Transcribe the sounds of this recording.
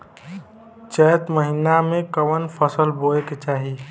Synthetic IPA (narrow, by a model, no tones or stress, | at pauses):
t͡ʃɛːt̪məɦinamẽkəʋənpʰəsəlboːeket͡ʃaːɦi